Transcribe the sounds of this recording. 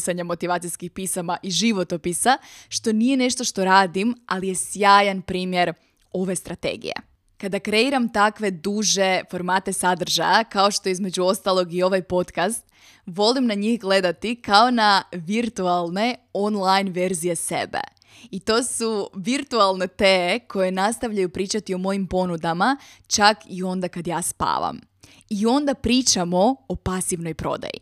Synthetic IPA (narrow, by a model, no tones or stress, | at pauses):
saɲamo̞t̪iʋaːt̪ijskixpisamaʔiʒiʋo̞t̪opisaʃt̪o̞nije̞ne̞ʃt̪o̞ʃt̪o̞ɾaːd̪ima̰lije̞sjaːjanpɾiːmje̞ɾ | o̞ʋe̞st̪ɾat̪ḛɡḭjḛ | kad̪akɾe̞iɾamt̪akʋe̞d̪uːʒe̞fo̞ɾmaːt̪e̞sad̪r̩ʒa̰jakao̞ʃt̪o̞eizme̞d͡ʑuo̞st̪alˠo̞ɡio̞ʋajpo̞t̪kast̪ | ʋo̞limnaɲixɡle̞d̪at̪ikao̞naʋiɾt̪ualˠne̞onlˠajnʋe̞ɾzije̞sḛbḛ | it̪o̞ːsuʋiɾt̪ualˠne̞t̪eːeko̞je̞nast̪aʋʎajupɾiːt͡ʃat̪io̞mo̞jimpo̞nud̪amat͡ʃakio̞nd̪akad̪jaːspa̰ːʋa̰m | io̞nd̪apɾiːt͡ʃamo̞opasiʋno̞jpɾo̞̰d̪a̰jḭ